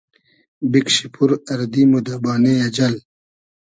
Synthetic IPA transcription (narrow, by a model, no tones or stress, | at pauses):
bikɕipʰuɾɐɾd̪imud̪abaːneɐd͡ʑɐl